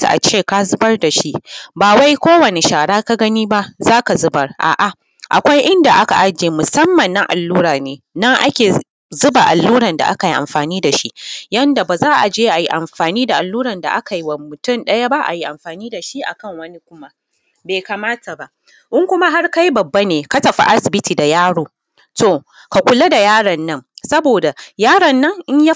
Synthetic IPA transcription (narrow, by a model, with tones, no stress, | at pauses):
ta̰˨ʔa̰˨t͡ʃeː˦˨ka˦zʊ˦bɐ˦rda˨ʃi˦ʔbaː˨wa˦jkʷoː˦wɐ˨ne˨ʃaː˨ɽaː˦ka˦ɡɐ˦niː˦ba˦ʔzaː˦ka˨zʊ˦bɐ˨rʔa̰ː˨ʔa˨ | ʔa̰˨kʷa˦jʔɪ˦nda˨ʔa˦ka̰˨ʔa˦d͡ʒeː˨mʊ˨sɐ˦mːɐ˨nːa˦ʔa̰˨lːuː˦ɾaː˨neː˨nɐ˦ŋʔa̰˦kʲeː˨ | zʊ˦ba˨ʔa̰˨lːuː˦ɾɐ˨nda̰˨ʔa̰˦ka˨ji˦ʔa̰˨mɸaː˨niː˦da˨ʃi˦jɐ˦nda˨baː˨zaː˦ʔa˨d͡ʒeː˦ʔa˨ji˦ʔa˨mɸaː˨niː˦da˨ʔa˨lːuː˦ɾɐ˨nda̰˨ʔa̰˦ka˨ji˦wɐ˨mʊ˨tʊ˦˨nɗɐ˦ja˦ba˦ʔa̰˨ji˦ʔa˨mɸaː˨niː˦da˨ʃi˦ʔa̰˨kɐ˦˨ŋwɐ˦ni˦kʷʊ˦ma˦ | beː˨kaː˨maː˦ta˨ba˦ʔ | ʔɪ˦ŋkʷʊ˦ma˦ɦa˦rka˦ji˦bɐ˨bːa˦neː˨ka˦tɐ˨ɸa̰˦ʔa˦sɪ˨bɪ˦tiː˨da˨jaː˦ɽoː˨ | to˦˨ | ka˨kʷʊ˨la˦da˨jaː˦ɽɐ˨nːɐ˦ŋsɐ˦boː˨da˨jaː˦ɽɐ˨nːɐ˦ŋʔɪ˦ɲja˦